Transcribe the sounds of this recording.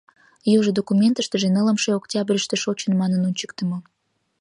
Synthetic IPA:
joʒəd̪okumʲent̪əʃt̪əʒenələmʃeoktʲɑbrʲəʃt̪eʃot͡ɕənmɑnənunʲt͡ɕə̥kt̪ə̆mə

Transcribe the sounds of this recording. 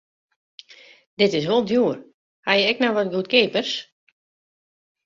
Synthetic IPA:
dɪtɪs̬ʋolˠdjuər | hajəɛknawʋɔt̚ɡut̚keːpərs

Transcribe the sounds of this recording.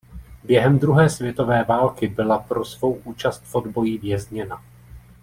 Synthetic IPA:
bjɛɦɛmd̪ɾuɦɛːsvjɛt̪o̞vɛːvaːlkɪbɪlapɾo̞svo̞wʔuːt͡ʃast̪fodbo̞jivjɛzɲɛna

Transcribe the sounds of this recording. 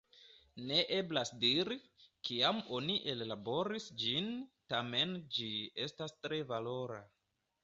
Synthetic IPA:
ne̞ʔe̞blasdiɾikiamo̞niʔellabo̞ɾisd͡ʒintame̞nd͡ʒie̞stastɾe̞valo̞ɾa̰

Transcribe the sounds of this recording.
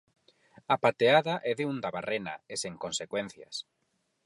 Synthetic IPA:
apat̪eaðaʔɛðeund̪aβarʔena̰eseŋkõnsekwɛn̟θja̰s

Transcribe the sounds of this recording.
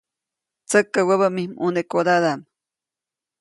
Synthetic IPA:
t͡səkːawaβamihmunekod̪ad̪am

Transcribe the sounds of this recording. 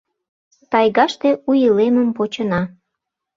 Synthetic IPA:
t̪ɑjɣɑʃt̪eujəleməmpot͡ɕə̆nɑ

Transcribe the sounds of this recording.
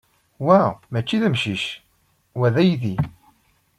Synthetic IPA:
wæmæt͡ʃːiðæmʃiʃ | wæðæjiði

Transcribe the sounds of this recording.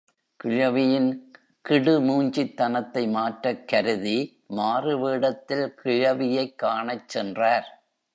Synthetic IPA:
kɪɻɐʋɪjɪn | kɪɽɯmuːɲd͡ʒɪt̪ːɐnɐt̪ːɐɪmaːʈɾɐkːɐɾɯði | maːrɯʋeːɽɐt̪ːɪlkɪɻɐʋɪjɐɪkːaːɳɐt͡ʃːɛndraːɾ

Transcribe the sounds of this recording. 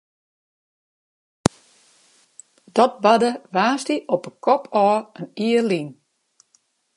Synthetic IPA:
d̥ɔt̚badəʋaːstiʔɔpəkʰɔpʰɔːəniəlin

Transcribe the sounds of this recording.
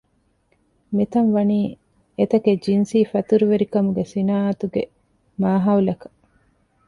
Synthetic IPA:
mit̪ɐnʋɐniː | et̪ɐked͡ʒinsiːfɐt̪uɾuʋeɾikɐmuɡesinaːɐt̪uɡe | maːɦɐulɐkɐ̥

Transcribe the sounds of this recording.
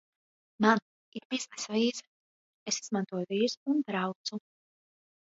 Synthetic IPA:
man | iɾbiznɛsaviːz | esizmãnt̪uɔjuviːɾzunb̪ɾawt̪su

